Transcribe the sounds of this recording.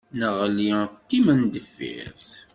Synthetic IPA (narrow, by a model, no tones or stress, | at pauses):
nəʁlit̪ːimənd̪əfːḭθ